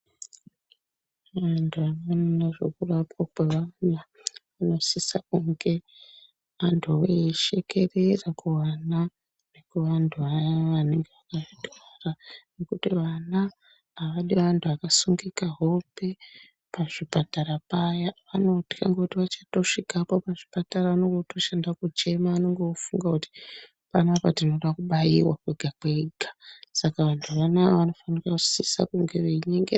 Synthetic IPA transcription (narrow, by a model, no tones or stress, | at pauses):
ʋantʰuanononaʐe̞̰kurapokweʋana | ʋano̞sisakuŋɡe̞ | antʰuʋeiʃe̞ke̞re̞rakuwana | nekuʋantʰuajaʋane̞ŋɡeʋakaʐitarane̞kutiʋanaː | ʋaɗiʋantʰuakasuŋɡikaɦo̞pe̞ | paʐipataɾapajaʋano̞ti̥ka̰ŋɡekutiʋat͡ʃato̞ʂikapo̞paʐipataraʋanoŋɡoto̞ʃandakut͡ʃe̞maʋano̞ŋɡeofuŋɡakuti̥ | panapatino̞ɗakuɓajḭwa̰kwe̞ɡʱakwe̞ɡʱasakaʋantʰuʋanaʋano̞fanirakusisa̰kuŋɡe̞ʋeiɲeŋɡe